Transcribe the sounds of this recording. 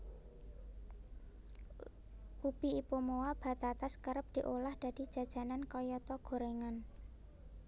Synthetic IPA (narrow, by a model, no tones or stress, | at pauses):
ʔub̥i̤ipomowab̥a̤t̪at̪askəɾəp̚d̪̥i̤ʔolahd̪̥a̤d̪̥i̤d̥ʒ̥ä̤d̥ʒ̥a̤nankɔjɔt̪ɔɡ̥o̤ɾeŋan